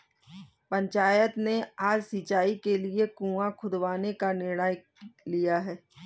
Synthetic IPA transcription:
pɐ̃ɲt͡ʃaːjət̪neaːd͡ʒsiːt͡ʃaːikeliekũːãkʰʊd̪ʋaːnekanɪɽaːj | lijaɦɛː

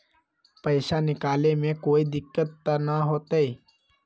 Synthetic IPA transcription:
pəɪʃanɪkaːlemẽkoːid̪ɪkːət̪ːanaɦoːt̪aiː

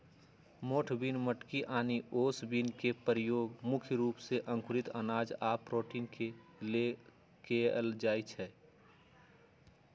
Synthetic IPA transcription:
moːʈʰbinməʈkiʔaːniʔoːsbinkepəɾjoːɡmʊkʰjɾuːpseʔə̃ŋkʊɾɪt̪ənaːd͡ʒaːpɾoːʈiːnkele | keəld͡ʒaːit͡ʃʰɛ

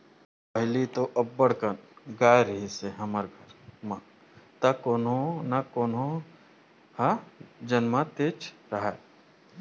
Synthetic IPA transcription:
pɐɦɪlit̪oʔɐbːəɽ̤kənɡaːjɾɦiseɦɐməɾɡʱəɾmã | t̪ɐkoːnõnakoːnõ | had͡ʒənmat̪eːt͡ʃɾɐɦa

